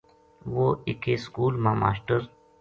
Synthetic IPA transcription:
ʋoikeskuːlmaːma̰ːsʈəɾ

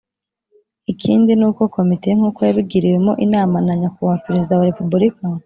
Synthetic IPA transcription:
ikʰiːndinuːko̞ko̞mite̞ŋ̥uːkojaβib̚ɡiɾiwe̞mo̞ʔinaːmanaɲakuβapeɾe̞zidawaɾe̞pubuɾika

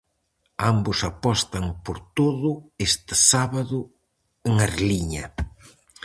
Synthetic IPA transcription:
ambʊsapɔst̪ɐŋpoɾt̪oðʊest̪ɪ̥saβaðʊ | eŋɐɾliɲɐ

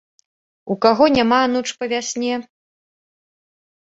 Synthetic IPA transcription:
ukaɣɔnʲamaːnut͡ʂpɐvʲasʲnʲɛ

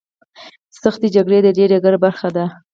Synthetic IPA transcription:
saxt̪ed͡ʒaɡɽed̪əɖeɾeɡəɾbaɾxad̪a

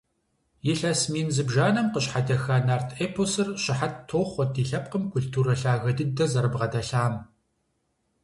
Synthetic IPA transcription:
jɪɬɐsmiːnzɨbʒaːnɐmqəɕħadɐxaːnaːrtʰeːpʰosɨrʃɕɪħattʰoːχʷɔdiːɬɐp̚qəmkʰʷʊɬtʰuːɾɐɬaːɣɐdɨdɐzɐɾɨbʁɐdɐɬaːm

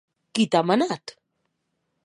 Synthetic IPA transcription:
kit̪amanat̪

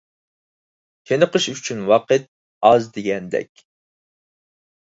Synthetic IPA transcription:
kʲʰenəqəʃyt͡ʃʰynwɑqət̪̚ | ɑzd̪eɡʲɛnd̪ɛ̰kʲ

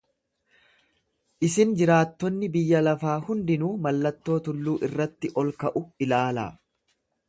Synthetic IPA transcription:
ʔɪsɪnd͡ʒɪɾaːt̪ːɔnːɪbɪjːɐlɐfaːhʊnd̪ɪnuːmɐlːɐt̪ːo̞ːt̪ʊlːuːʔɪrːɐt̪ːɪʔɔlkɐʔʊɪlaːla̰ː

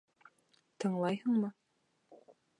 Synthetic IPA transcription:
t̪ʰɤ̆ɴlˠɑjhɤɴmɤ

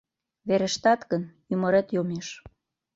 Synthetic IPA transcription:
βeɾeʃt̪ɑt̪ɣən | ymə̆ɾet̪jomeʃ

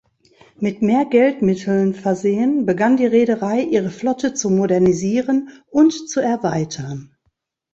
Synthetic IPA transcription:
mɪtmeːɐɡɛltmɪtʰl̩nfɛɐzeːənbəɡandiːʁeːɾəʁaɪʔiːʁəflɔtʰət͡sumodɛɐniziːʁənʊntt͡suɛɐvaɪtʰɐn

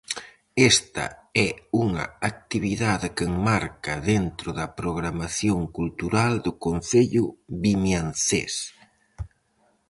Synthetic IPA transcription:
ɛst̪ɐ̰ɛuŋɐ̰ak̚t̪iβiðaðɪkɪŋmaɾkɐðent̪ɾʊðɐpɾoɣ̞ɾamaθjoŋkult̪uɾald̪ʊkon̟θeʎʊβimjanθḛs

